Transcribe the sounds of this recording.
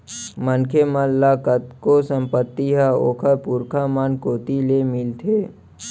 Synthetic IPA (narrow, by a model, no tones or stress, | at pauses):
mənkʰeməlːakət̪̚kosə̃mpət̪ːiɦao̰ːkʰəɾpuɾkʰamankoːt̪ilemɪlt̪ʰeː